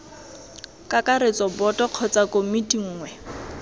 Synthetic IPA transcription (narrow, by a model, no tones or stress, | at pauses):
kʼakʼaɾet͡sʼɔbɔtʼɔq͡χʰɔt͡sʼakʼomitʼiŋ̩ːŋwɛ